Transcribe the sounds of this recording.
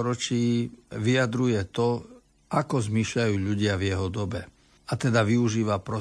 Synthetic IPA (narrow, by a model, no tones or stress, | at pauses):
ɾɔt͡ʃiːʋiad̪ɾujɛt̪ɔ | ʔakɔzmiʃʎajuːʎuɟɪavjɛɦɔd̪ɔbɛ | at̪ɛd̪aʋiuʒiːʋapɾɔ